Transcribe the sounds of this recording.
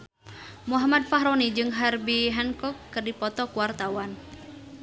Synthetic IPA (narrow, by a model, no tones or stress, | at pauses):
muɦamad̪̚faɦɾɔnid͡ʒɨŋɦarbiɦɛnkɔkːɨrdipɔt̪ɔkuwart̪awan